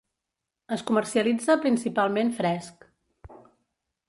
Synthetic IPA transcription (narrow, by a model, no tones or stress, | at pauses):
əskumərsiəlid͡zəpɾinsipalˠmenfɾɛsk